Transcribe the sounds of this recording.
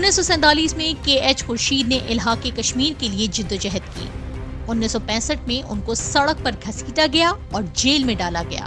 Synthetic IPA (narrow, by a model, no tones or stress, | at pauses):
ʊnːisːɔsɛ̃nt̪aːliːsmẽkeːɛːt͡ʃxʊɾʃiːd̪nẽʔɪlɦaːkːekɐʃmiːɾkelied͡ʒɪd̪ːod͡ʒɛɦət̪kḭːʊnːisɔpɛ̃ːsəʈ̚mẽʔʊnkosɐɽək̚pɐɾɡʱɐsiːt̪aɡɐjaɔːɾd͡ʒeːlmẽɖaːlaɡɐja̰ː